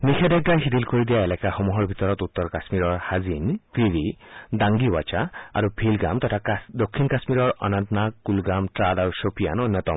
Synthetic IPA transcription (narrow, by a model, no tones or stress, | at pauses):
nikʰed̪ɛɡ̚aɦid̪ilkoɹid̪ijaelɛkaxɔmɔɦɔɹbʱit̪ɔɹɔt̪ut̪ːɔɹkasmiɾɔɹhazinkɹiɾidaŋɡiwat͡ʃaa̰ɾubʰʱilɡa̰mt̪ɔtʰad̪okʰːinkasmiɾɔɹɔ̰nant̪nakulɡamʈɹadaɹusopʰija̰nonjɔt̪ɔm